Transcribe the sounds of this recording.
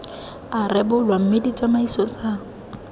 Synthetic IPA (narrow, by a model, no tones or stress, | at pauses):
arɪbʊlwam̩medit͡sʼamaisɔt͡sʼa